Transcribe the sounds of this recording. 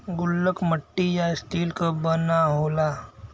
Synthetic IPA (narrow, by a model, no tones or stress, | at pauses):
ɡʊlːəkʰməʈːijaɪst̪iːlkobənaɦoːlaː